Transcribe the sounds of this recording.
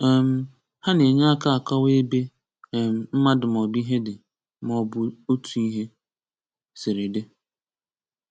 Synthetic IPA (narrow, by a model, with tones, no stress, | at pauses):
ɛ˨m̩˦˨ | ha˦ne˨ɲa˦a˦ka˦a˨ka˦we˦be˦˨ | m̩˨m̩˦ma˦dɪ˨m˨ɔ˨bi˦ɦe˦dɪ˨ | m˦ɔ˨bʊ˦o˦tu˨i˦ɦe˦ | sɪ˨ɾe˨de˦